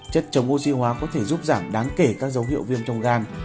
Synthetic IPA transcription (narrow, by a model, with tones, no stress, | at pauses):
t͡ɕə˦˥t̚t͡ɕə˨˦wŋ͡mʔo˧si˧ɦwaː˨˦kɔ˨˦t̪ʰe˧˩zu˦˥p̚zaː˧˩mɗaː˨˦ŋke˧˩kaː˦˥k̚zə˨˦wɦḭ˧˨əwvi˧əmt͡ɕɔ˧wŋ͡mɣaː˧n